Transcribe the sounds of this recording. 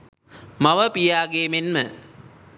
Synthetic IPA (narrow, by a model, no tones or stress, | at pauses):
maʋəpijaːɡeːmenmə